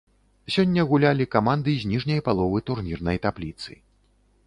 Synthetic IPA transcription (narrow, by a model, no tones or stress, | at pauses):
sʲɔnʲːɐɣulʲalʲikamand̪ɨzʲnʲiʐnʲɐjpalˠɔvɨt̪urmʲirnɐjt̪aplʲit̪sɨ̰